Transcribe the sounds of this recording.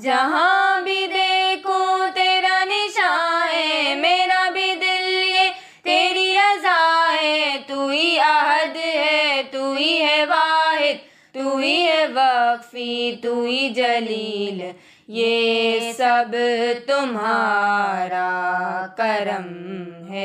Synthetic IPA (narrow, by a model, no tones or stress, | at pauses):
d͡ʒɐɦãbʱid̪eːkʰot̪eːɾanɪʃaːɦɛmeːɾabʱid̪ɪlɦɛ | t̪eːɾiɐzaːɦɛt̪uːɦiɐɦəd̪ɦɛt̪uɦiɦɛʋaːɦɪd̪̚ | t̪uːɦiɦɛʋɐkfit̪uːid͡ʒɐliːl | jeːsɐbt̪ʊmɦaːɾakɐɾəmɦɛː